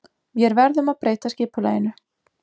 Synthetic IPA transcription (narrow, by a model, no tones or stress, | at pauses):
vjɛɾvɛɾðʏmaðpɾeːjt̪ascɪːpʏla̰ːjɪnʏ